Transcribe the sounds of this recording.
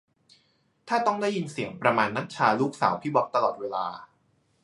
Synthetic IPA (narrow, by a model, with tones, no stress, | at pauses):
t̪ʰaː˥˩t̪ɔ˥˩ŋdaː˥˩ji˧nsi˨˩˦əŋpɾa˧maː˧nːa˦˥t̪̚t͡ɕʰaː˧luː˥˩k̚sa̰ː˩˦wpʰiː˦˥˩bɔ˦˥k̚t̪a˧lɔː˨˩t̪̚weː˧la̰ː˧